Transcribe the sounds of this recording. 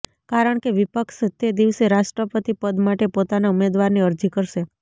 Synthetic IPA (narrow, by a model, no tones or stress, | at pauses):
kaɾəɳkeʋipəkʃt̪ed̪iʋseɾaʃʈɾəpət̪ipəd̪maʈepot̪anaumed̪ʋaɾniəɾd͡ʒikəɾʃe